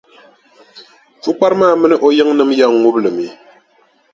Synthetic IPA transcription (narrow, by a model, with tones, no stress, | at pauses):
fu˦k͡pa˦ɾɨ˦maː˦˨mɨ˦nɨ˦ʔo˦jɨ˦ŋnɨ˦mja˦˨ŋŋu˦blɨ˨mi˨˦